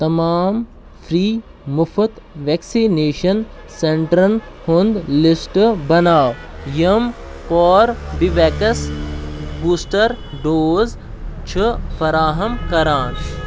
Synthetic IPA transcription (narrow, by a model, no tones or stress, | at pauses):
t̪ɐmaːm | fʰɾiː | mufʰɐt̪ | ʋeksineːʃɐn | seɳʈɾɐnhond̪lisʈbɐnaːʋjɐmpɔːɾbiʋɛːkɐs | buːsʈɐɾɖoːz | t͡ʃʰɨfɐɾaːɦɐmkɐɾaːn